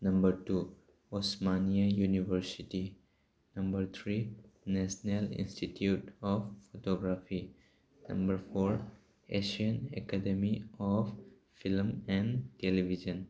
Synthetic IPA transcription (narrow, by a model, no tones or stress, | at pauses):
nɐ̃mbəɾtu | ɔsmaniajunivəɾsiti | nɐ̃mbəɾt̪ʰɾinɛsnelḭ̃nsʈitʰjutɔffotɔɡɾafi | nɐ̃mbəɾpoɾ | eʃiə̃nḛkademiɔf | filmɛ̃ntelibʱid͡ʒə̃n